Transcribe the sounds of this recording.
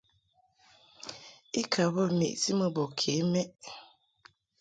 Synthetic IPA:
i˦kʰa˨bɔ˦˨mḛ˨ʔti˦mə˦bɔ˨kʰe˨˦mɛ˦ʔ

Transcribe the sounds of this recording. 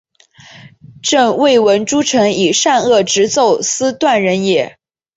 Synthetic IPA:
ʈ͡ʂɤ˥˧ŋwe˥˩ɪwə˧˥nʈ͡ʂu˥ʈ͡ʂʰɤ˧˥ŋi˨˩ʂa˥˧nɤ˥˩ʈ͡ʂɻ̩˧˥t͡so˥˩ʊsɹ̩˥t̪wa˥˩nɻə˧˥njɛ˧˥

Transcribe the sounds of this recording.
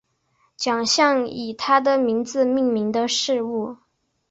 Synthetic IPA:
t͡ɕjɑ˨˩ŋɕjɑ˥˩ŋi˨˩t̪ʰa˥d̪ə˨mi˧˥ŋd͡zɹ̩˧mi˥˩ŋmi˧˥ŋd̪ə˧ʂɻ̩˥˧u˥˩

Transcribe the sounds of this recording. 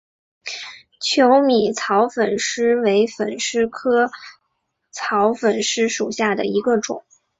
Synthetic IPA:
t͡ɕʰjo˧˥ʊmi˨˩t͡sʰɑ˧˥ʊfə˨˩nʂɻ̩˥we˧˥ɪfə̰˨˩nʂɻ̩˥kʰɤ˥ | t͡sʰɑ˧˥ʊfə˨˩nʂɻ̩˥ʂu˨˩ɕja˥˩d̪ə̰˩i˧˥ɡə˧ʈ͡ʂʊ̰˨˩˦ŋ

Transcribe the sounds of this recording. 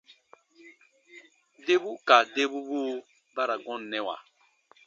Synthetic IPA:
de˦bu˦ka˨de˦bu˦bu˦ | ba˦ɾa˨ɡɔ̃˦nː˨ɛ̃˦wa̰˨

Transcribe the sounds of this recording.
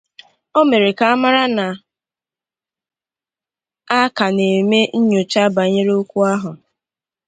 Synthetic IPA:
o˦me˨ɾe˨ka˨a˦ma˦ɾa˦na˨ | a˦ka˨ne˨me˦n̩˦ɲo˨t͡ʃa˦ba˨ɲe˦ɾe˦o˦kʷu˦a˦ɦʊ˨

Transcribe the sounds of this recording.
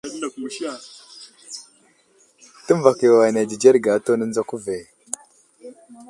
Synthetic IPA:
a˨ɗna˨ku˨ʃi˦a˨ | tə˦m˦va˨ke˨wa˨na˨d͡ʒi˨d͡ʒe˦ɾɡa˨˦to˦nə˦nd͡za˦ku˦ve˨

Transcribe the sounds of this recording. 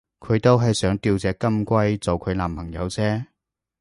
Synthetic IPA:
kʰɵ˨˧ɥt̪o˥wɦɐ˨jsœː˨˥ŋt̪iː˧wt͡sɛː˨˥kɐ˥mkʷɐ˥jt͡so˨wkʰɵ˨˧˥laː˨mpʰɐ˨˩ŋjɐ̰˨˧wt͡sɛː˥

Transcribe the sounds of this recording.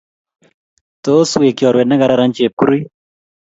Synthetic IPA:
t̪o˦swe˨kjɔ˨ɾwɛ˨dna˦ɡa˨ɾa˦ɾa˦nt͡ʃe˨p̚ku˦ɾi˦

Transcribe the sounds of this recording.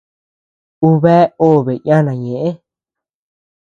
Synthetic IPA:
u˧βe˦o˦˨βe˨ɲ˦ã˦nã˨ɲẽ˨ʔẽ˦

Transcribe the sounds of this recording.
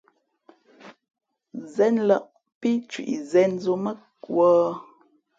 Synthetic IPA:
zɛ˨˦nla˦˨ʔ | pi˦t͡ʃwḭ˨ʔḭ˨zɛ˨˦nzo˦mə˦ | kwɔː˦

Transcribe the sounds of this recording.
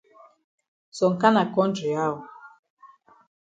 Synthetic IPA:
sɔ˨ŋ˨ka˦na˨kɔ˦n˦d͡ʒu˨ja˦ɔ˨

